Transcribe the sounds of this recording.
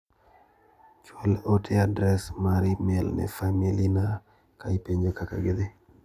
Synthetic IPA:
t͡ʃwɔlotʰeadɾɛsmaɾimɛlnɛ̰familina | kaipeɲd͡ʒokaka̰ɡed̪e

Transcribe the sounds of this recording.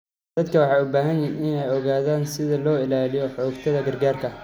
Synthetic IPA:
d̪̥ɐd̪̚kʰɐwɑħɑːʊbaːɦɐnjɪɪnɛjɔɣaːðaːnsɪðɐlɔːɪlaːlɪjɔħɔːɡt̪ʰɐðɐɡɐrɡaːrkʰɐ

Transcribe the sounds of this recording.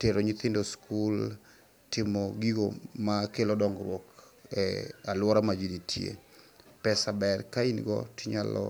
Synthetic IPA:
teɾoɲit̪ɪndoskul | tɪmɔɡiɡomakelɔdɔŋɡɾwɔk | ɛalwɔɾamad͡ʒiditʰjḛpɛsabɛrkainɡɔ̰tɪɲalɔ̰

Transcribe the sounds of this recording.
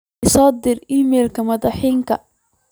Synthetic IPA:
ɪsɔːd̪ɪriːmɛlkʰɐmɐðɑħiːŋkʰɐ̰

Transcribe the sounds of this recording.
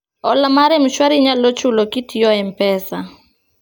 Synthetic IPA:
ɔlamaɾɛmʃwaɾɪɲalot͡ʃʊlɔkitʰiɔɛm̩pɛsa

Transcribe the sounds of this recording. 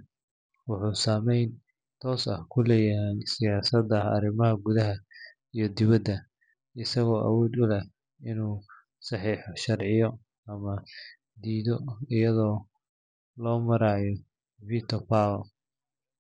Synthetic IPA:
wʊħuːsaːmɛjn | t̪ʰɔːsɐ̰hkʰʊlɛːjɐɦɛjsɪjaːsɐd̪ɐɐ̰ɾɪmɐɦɐɡʊðɐɦɐ | ijɞd̪ɪβɐd̪ɐ | ɪsɐɣɔːʔɐ̰wɔːd̪ʊlɛh | ɪnuː | sɑħiːħɔʃɐrʕɪjɔ | ɐmɐ | d̪iːðɔɪjɐðɔː | lɔːmɐɾaːjɔ | vit̪ʰɔpaw

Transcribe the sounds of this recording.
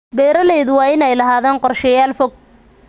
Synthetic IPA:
bɛːɾɐlɛjðʊwɑːɪnɛjlɐɦaːðaːnqɔrʃɛjaːlfɔɡ̚

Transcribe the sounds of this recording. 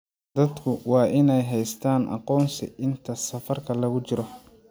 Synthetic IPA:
d̪ɐd̪kʰʊwɑːʔɪnɛjɦɛjst̪ʰaːnʔɑ̰qɔːnsɪ̰ʔɪnt̪ʰɐsɐfɐrkʰɐlɐɣʊt͡ʃɪɾɔ

